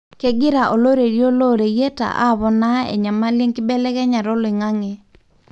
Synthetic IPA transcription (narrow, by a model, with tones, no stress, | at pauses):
ke˦ɡɪ˦ɾa˨ʔo˨lo˦ɾe˨ɾjo˦lo˦ɾe˨je˦ta̰˨ʔa̰˦˨βɔ˦na˦ɛ̰˨ɲa˨ma˦le˦ŋkɪ˦bɛ˦lɛ˦kɛ˦ɲa˨ɾɔ˦lɪ˨ŋa˦ŋe˨